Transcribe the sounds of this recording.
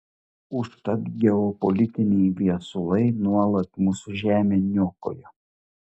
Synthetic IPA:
ʊʃt̪ɐt̪ɡʲɛɔpɔlʲɪt̪ʲɪnʲɛɪʋʲiɛsʊlˠɐɪnuɔlˠɐt̪muːsʊʒʲæːmʲenʲoːko̰ːjo

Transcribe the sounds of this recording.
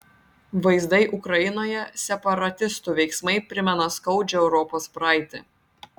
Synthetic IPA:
ʋɐɪzd̪ɐɪʔʊkɾɐjɪnoːjɛsʲɛpɐɾɐt̪ʲɪst̪uːʋʲɛɪksmɐɪpʲɾʲɪmʲɛnɐskɐʊd͡ʒʲɛɛʊɾɔpoːspɾɑˑɪt̪ʲɪ̰

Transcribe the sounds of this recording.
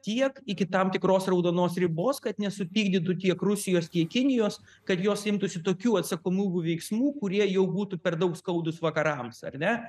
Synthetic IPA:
t̪ʲiɛkɪkʲɪt̪ɐmt̪ʲɪkɾoːsrɐʊd̪oːnoːsɾʲɪboːskɐt̪nʲɛsʊpʲiːɡd̪ʲɪt̪̬ut̪ʲiɛkrʊsʲɪjoːst̪ʲiɛkkʲɪnʲɪjoːs | kɐt̪joːsɪmt̪ʊsʲɪt̪oːkʲuːɐt̪sɐkoːmʲuːbʲuːʋʲɛɪksmuːkʊɾʲiɛjɛʊbuːt̪upʲɛrd̪ɐʊkskɐʊd̪ʊsʋɐkɐɾɐmsɐ̰rnʲɛ

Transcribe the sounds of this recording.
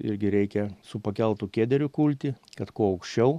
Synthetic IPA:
ɪ̰ɾʲɡʲɪɾʲɛɪkʲɛsʊpɐkʲɛlˠt̪ukʲeːd̪ʲɛɾʲʊkuːlʲt̪ʲɪkɐt̪kuɔɐʊkʃʲt͡ʃʲɛʊ

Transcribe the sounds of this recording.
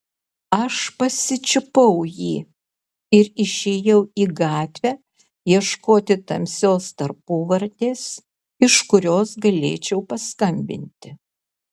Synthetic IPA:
ɐʃpɐsʲɪt͡ʃʲɪpɐʊjiː | ɪɾɪʃʲeːjɛʊiːɡɑːt̪ʲʋʲæː | jiɛʃkoːt̪ʲɪt̪ɐmʲsʲoːst̪ɐɾpuːʋɐɾʲt̪ʲeːs | ɪʃkʊɾʲoːsɡɐlʲḛːt͡ʃʲɛʊpɐskɐmʲbʲɪ̰nʲt̪ʲɪ

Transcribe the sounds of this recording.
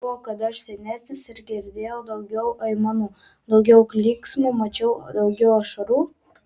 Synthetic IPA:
boːkɐt̪ɐʃsʲɛnʲæːsʲnʲɪsɪɾɡʲɪɪɾʲd̪ʲeːjɛʊd̪ɐʊɡʲɛʊʔɐɪmɑːnoː | d̪ɒʊɡʲɛʊklʲiːksmuːmɐt͡ʃʲɛʊd̪ɒʊɡʲɛʊɐʃɐɾuː

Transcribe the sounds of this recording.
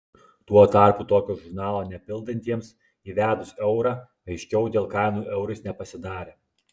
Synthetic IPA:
t̪uɔɔt̪ɑˑɾkuːt̪oːkʲoːʒʊɾnɑːlˠoːnʲɛpʲɪlˠd̪ɐnʲt̪ʲiɛms | iːʋʲæːd̪ʊsɛʊɾɑː | ɐɪʃʲkʲɛʊd̪ʲeːlˠkɑɪnuːʔɛʊɾʲɪsnʲɛpɐsʲɪd̪ɑːɾʲeː

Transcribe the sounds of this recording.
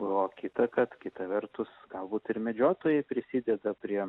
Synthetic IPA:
oːkʲɪt̪ɐkɐt̪kʲɪt̪ɐʋʲɛrt̪ʊsɡɐlˠbuːt̪ɪɾmʲɛd͡ʒʲoːt̪oːjɛɪpʲɾʲɪsʲiːd̪ʲɛd̪ɐpʲɾʲiɛ

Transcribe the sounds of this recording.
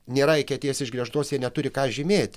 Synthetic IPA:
nʲeːɾɐɪkʲɛt̪ʲeːsɪʒɡɾʲiɛʃt̪oːsjiɛnʲɛt̪ʊɾʲɪkɑːʒʲɪmʲeːt̪ʲ

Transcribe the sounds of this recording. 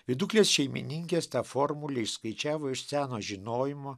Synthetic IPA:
ʋʲɪd̪ʊklʲeːsʃʲɛɪmʲɪ̰nʲɪŋʲkʲeːst̪ɑːfoːɾmʊlʲeɪʃskɐɪt͡ʃʲæːʋoːɪʃsʲæːnoːʒʲɪnoːjɪmoː

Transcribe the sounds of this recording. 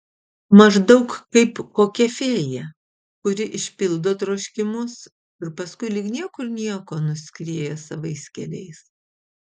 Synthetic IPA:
mɐʒd̪ɐʊkkɐɪpkoːkʲɛfʲeːjɛ | kʊɾʲɪʔɪʃʲpʲɪlˠd̪oːt̪ɾɐʊʃʲkʲɪmʊs | ɪɾpɐskʊɪlʲɪknʲiɛkʊɾnʲiɛkoːnʊsʲkʲɾʲiɛːjɛsɐʋɐɪskʲɛlʲɛɪs

